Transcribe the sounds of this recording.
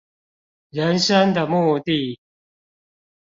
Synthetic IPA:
ɻə˨˦nʂə˦nd̪ə˨mu˥˧t̪i˥˨

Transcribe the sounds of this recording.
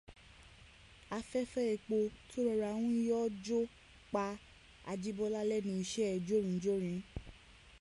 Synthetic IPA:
a˧fɛ˦fɛ˦ɛ˧˨k͡po˧tʰo˦ɾɔ˧ɾa˧˨w̃ũ˦jɔ˦d͡ʒo˦ | k͡pa˧˦ | a̰˧d͡ʒi˦bɔ˦la˦lɛ˦nũ˧i˧ʃɛ˦ɛ˨d͡ʒo˦ɾ̃ĩ˨˦d͡ʒo˦ɾ̃ĩ˨˦

